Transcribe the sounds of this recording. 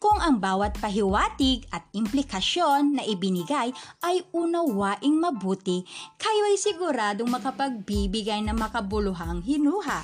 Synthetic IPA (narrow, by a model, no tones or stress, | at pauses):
kʊŋʔɐŋbaːwɐt̪̚pɐɦɪwaːt̪ɪɡɐt̪̚ɪmplɪkɐʃonːɐʔɪbɪnɪɡajʔɐjuːnɐwwaːʔɪŋmɐbuːt̪ɪkajoʔɐjsɪɡʊɾaːd̪oŋmɐkɐpɐɡ̚bibɪɡajnɐŋmɐkɐbʊlʊɦaŋɦɪnuːɦa